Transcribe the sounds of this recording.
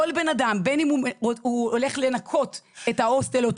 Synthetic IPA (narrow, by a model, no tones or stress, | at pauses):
olbenadambenimuuole̞χle̞nakʰo̞tetaostelot